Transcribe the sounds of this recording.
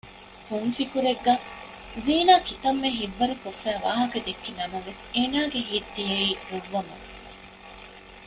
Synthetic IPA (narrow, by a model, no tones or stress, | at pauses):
kumfikuɾeɡːɐ | ziːnaːkit̪ɐmːeɦiʋːɐɾukofːæːʋaːɦɐkɐd̪ekːinɐmɐʋeseːnaːɡeɦiːd̪ːijeiːhuʋːɐmɐ